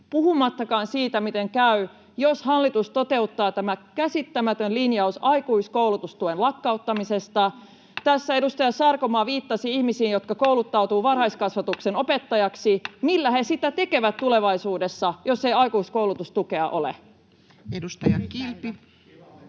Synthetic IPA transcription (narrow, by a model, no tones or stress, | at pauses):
puhumɑt̪ːɑkɑːnsiːt̪æmit̪eŋkæy | joshɑlːit̪ust̪ot̪e̞ut̪ːɑːt̪æmækæsit̪ːæmæt̪ønlinjɑusɑikuiskowlut̪ust̪uenlɑkːɑut̪ːɑmise̞st̪ɑ | t̪æsːæe̞dust̪ɑjɑsɑrkomɑːʋiːt̪ːɑsiihmisiːnjo̞t̪kɑkoulut̪ːɑut̪uːʋɑrhɑiskɑsʋɑt̪ukseno̞pet̪ːɑjɑksimilːæhesit̪æt̪e̞ke̞ʋæt̪t̪ule̞ʋɑisuːdesːɑjo̞sːeiɑikuiskouwlut̪ust̪uke̞ɑʔo̞lḛ | edust̪ɑjɑilpi